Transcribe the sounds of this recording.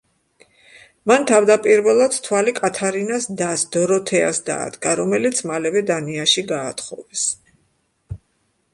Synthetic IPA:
mant̪ʰavd̪apʼiɾvɛlˠad̪t̪ʰwalikʼat̪ʰaɾinasd̪asd̪ɔɾɔt̪ʰɛa̰sd̪a̰ːd̪ɡaɾɔmɛlit̪sʰmalɛvɛd̪aniaʃiɡaːt̪χɔvɛs

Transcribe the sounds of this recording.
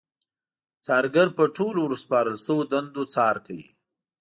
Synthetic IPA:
t͡sɑɾɡaɾpəʈʰoloɾəspɑɾəlsəwod̪and̪ot͡sɑːɾkawḭ

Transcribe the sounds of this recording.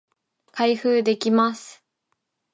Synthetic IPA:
kʰaiɸɯːd̪e̞kʲimasɨ̥

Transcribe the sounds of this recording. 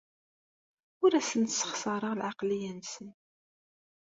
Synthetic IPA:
ʊɾæsənt̪sːə̥χsɑɾˤəʁlʕɑqlijænsən

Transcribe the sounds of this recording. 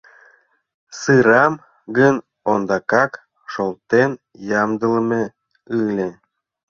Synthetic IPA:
sɨɾɑm | ɡən | ond̪ɑkɑk | ʃolˠt̪en | jɑmd̪ələme | ɯlʲe

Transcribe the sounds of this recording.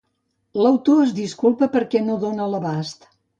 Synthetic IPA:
ləwt̪oəzd̪iskulˠpəpəɾkɛnoðonələβast̪

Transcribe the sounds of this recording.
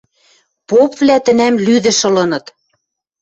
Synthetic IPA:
popvlæt̪ɘ̆næmlyðɘ̆ʃɤ̆lɤ̆nɤ̆t̪

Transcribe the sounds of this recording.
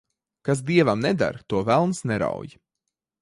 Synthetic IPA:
kas̬d̪iɛvamnɛd̪a̰ɾt̪uɔvælˠnsnɛɾa̰wj

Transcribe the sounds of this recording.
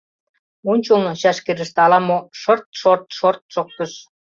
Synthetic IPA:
unʲt͡ɕulˠnɤ̆ɕæʃkeɾɘ̆ʃt̪ɑlɑmoʃɤ̆rt̪̚ʃort̪̚ʃort̪̚ʃok̚k̪əʃ

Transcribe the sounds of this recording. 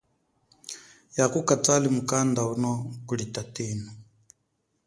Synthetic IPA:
jakukʼat͡sʼalimukʼand̪aunɔkuɺitʼatiːnɔ

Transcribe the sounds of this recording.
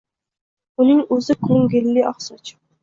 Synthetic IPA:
ʊnɪŋɵzɪkʰɵŋɡʲɪlːɪɒχsɒt͡ʃʰɪ̥

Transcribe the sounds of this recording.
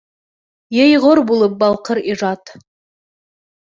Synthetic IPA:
jejʁoɾbulˠəp̚bɑlˠqəɾiʒɑt̪

